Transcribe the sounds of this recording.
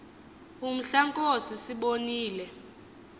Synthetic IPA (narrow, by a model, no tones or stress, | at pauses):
um̩ɬaŋkʼosisiɓoniːlɛ